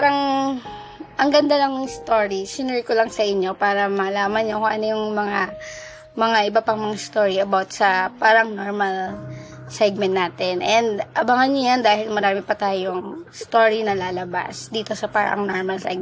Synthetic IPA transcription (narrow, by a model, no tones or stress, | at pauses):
paɾɐŋ | ʔɐŋɡɐnd̪ɐlɐŋst̪oːɹisɪnɛɹkolaŋsɐʔɪɲːo̞paːɾɐmɐːlaːmɐnɲokoŋʔɐnojʊŋmɐŋa | mɐŋaʔɪbapɐŋmɐŋast̪o̞ːɹiɐbawt̪̚sɐpaːɾɐŋnoɹmɐl | sɛɡ̚mɛnnaːt̪ɛnʔɛnd̪ʔɐbɐŋɐnɲojand̪aːhɪlmɐɾaːmɪpɐt̪aːjoŋst̪o̞ːɹinɐlaːlɐba̰sd̪iːt̪o̞sɐpa̰ːɾɐ̰ŋnoɹmɐlsɛ̰ɡ